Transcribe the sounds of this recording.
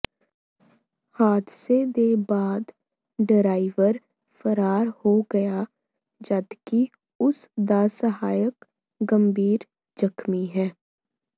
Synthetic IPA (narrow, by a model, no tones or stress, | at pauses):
haːd̪sed̪eːbaːd̪ | ɖɪɾaːɪʋəɾ | fəɾaːɾhoɡɐja | d͡ʒɐd̪ki | ʊsd̪aːsəɦaːjək | ɡə̃mbʱiːɾ | d͡ʒɐxmiɦɛː